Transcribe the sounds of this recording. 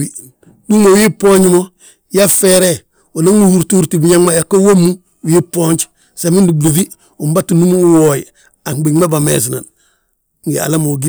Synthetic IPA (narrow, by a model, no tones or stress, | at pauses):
i | duŋowipoɲɟmo | jafeɾe | onaŋnuhuɾtuɾtibuɲaŋmajakowamːu | wipoɲt͡ʃ | samindublufi | umbatunumuwoːj | aŋbiŋmabamḛs̬na̰n | ŋɡia̰lamoɡi